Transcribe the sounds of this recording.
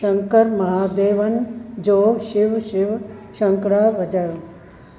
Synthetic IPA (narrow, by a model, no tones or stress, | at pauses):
ʃɐŋkəɾmɐɦaːd̪eːʋɐnd͡ʒoːʃɪʋʃɪʋʃɐŋkɾaːʋɐd͡ʒɐɾ